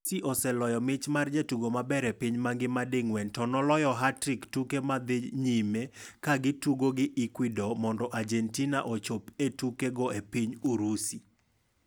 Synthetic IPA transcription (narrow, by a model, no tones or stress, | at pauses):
siʔɔsɛlɔjɔmɪt͡ʃmard͡ʒetuɡomabɛɾepɪɲmaŋɡɪmadɪŋwɛntɔnɔlɔjɔɦatɾɪktukemad̪ɪɲimekaɡɪtuɡoɡɪʔikwidɔmɔndɔʔad͡ʒɛntinaʔot͡ʃopetukeɡɔepiɲuɾusi